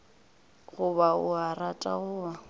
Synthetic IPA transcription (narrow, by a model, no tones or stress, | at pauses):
ɣʊbaʊaratʼa̰ɣʊa